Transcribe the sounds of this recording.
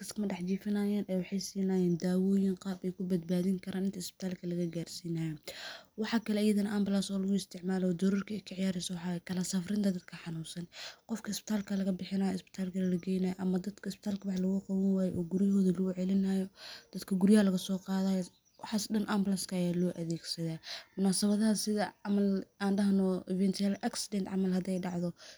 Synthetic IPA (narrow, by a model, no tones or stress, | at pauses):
kʰɐskɐmɐɖɑħt͡ʃiːfɪnaːjaːnʔɛjwɑħɑjsiːnajaːnd̪aːwɔːjɪnqɑːbɛjkʰʊbɐd̪̚baːðɪŋkʰɐɾaːnɪnt̪ʰɐɪsbɪ̥t̪ʰaːlkʰɐlɐɣɐɡaːrsiːnaːjɔwɑħɑkʰɐlɛːjɐðɐnɐʔɐmbɐlasɔːlɐɣʊɪst̪ʰɪʕmaːlɔːd̪ɐɾuːrkʰɐɛjkʰɐʕɪjaːɾɪsɔwħɑːkʰɐlɐsɐfrɪnt̪ʰɐd̪ɐd̪̚kʰɐħɑnuːsɐnqɔfkʰɐɪsbɪ̥t̪ʰaːlkʰɐlɐɣɐbɪħɪnaːjɔɪsbɪ̥t̪ʰaːlkʰɐlɐlɐɡɛjnɐːjɔʔɐmɐd̪ɐd̪kʰɐɪsbɪt̪ʰaːlkʰɐwɑħlɐɣʊqɑwɐnwaːjʔɔːɡʊɾɪjɦɔːðɐlɐɣʊʕɛlɪnajɔd̪̥ɐd̪kʰɐɡʊɾɪjɐhɐlɐɣɐsɔːqɑːðaːj | wɑħɑsɗɐnʔɐmbɐlaskʰɐjaːlɔːʔɐðeːɡsɐðaːmʊnaːsɐβɐðɐɦɐsɪðɐʕɑmɐlaːnɖɐɦnɔʔɪvɛnt̪ʰɛlʔɐksɪd̪ɛnt̪ʕɑ̰mɐlɦɐd̪ɛjɖɑʕðɔ